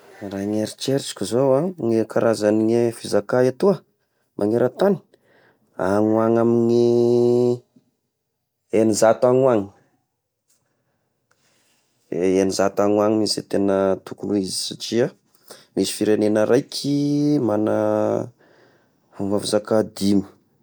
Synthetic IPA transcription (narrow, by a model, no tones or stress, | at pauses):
raŋeɾit͡ʃeɾt͡ʃi̥kʲuzowaŋekaɾazaniŋefizakaet̪uə | mʔaŋeɾət̪ani̥ | a̰ŋuaŋamini | enizat̪aŋuaŋi̥ | enizat̪aŋuaŋimisit̪enət̪ukuluizi̥sat͡ʃia | misi̥fiɾenenəɾʔajkʲʰimanə | umvavizakad̪imə̥